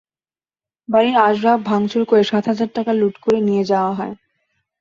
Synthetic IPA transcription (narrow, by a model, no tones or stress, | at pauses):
baɾiɾaʃɾab̚bʱaŋt͡ɕʰoɾkoeʃat̪ɦad͡ʑaɾʈakaluʈkoɾenijed͡ʑaoaɦɔe